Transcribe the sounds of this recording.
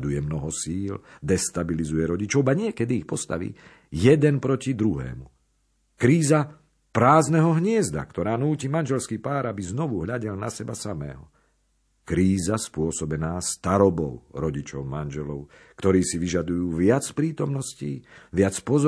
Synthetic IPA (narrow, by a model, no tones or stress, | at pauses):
d̪ujɛmnɔɦɔsiːld̪ɛst̪abilizujɛɾɔɟit͡ʃɔʊaɲɪɛkɛd̪iːxpɔst̪a̰ʋḭː | jɛd̪ɛnpɾɔcid̪ɾuɦɛ̰ːmu | kɾiːza | pɾaːznɛɦɔɦɲɪɛzd̪a̰kt̪ɔɾaːnuːcimanʒɛlskiːpaːɾabiznɔʋuɦʎaɟɛlnasɛbasamɛ̰ːɦɔ | kɾiːzaspʊɔsɔbɛnaːst̪aɾɔbɔʊɾɔɟit͡ʃɔʊmanʒɛlɔʊ | kt̪ɔɾiːsiʋiʒad̪ujuːʋɪat͡spɾiːt̪ɔmnɔsciːʋɪat͡spɔzɔ